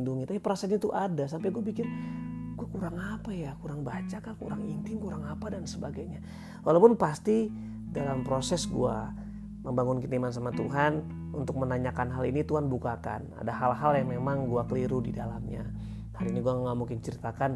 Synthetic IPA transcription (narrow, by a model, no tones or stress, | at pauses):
nduŋit̪apipəɾasaɲat̪uʔadasampajɡuabikɪnɡ̥uakuɾaŋapajakuɾaŋbat͡ʃakakṵɾaŋint̪ɪŋkuɾaŋapadansəbaɡajɲa | walawpʊnpast̪i | dalampɾosɛsɡṵa̰ | məmbaŋʊnkit̪imans̬amat̪ṵɦan | ṵnt̪ʊk̚mənaɲakanɦalinit̪uɦanbukaka̰na̰daɦalɦaljaŋmemaŋɡuakəliɾudidalamɲa̰ | haliniɡuaŋŋamuŋkɪnt͡ʃəɾit̪akan